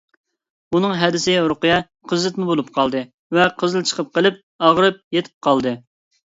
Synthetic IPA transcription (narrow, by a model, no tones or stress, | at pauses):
unɨŋɦɛd̪ɪsɪɾʊqɨjɑ | qʰəzlɨt̪mubolˠup̚qʰɑlˠd̪ɨ | vɛqʰəzɨlˠt͡ʃʰə̥qʰəp̚qəlˠɪp̚ | ɑʁɾɨp̚jet̪ʰɪ̥p̚qʰɑlˠd̪ɨ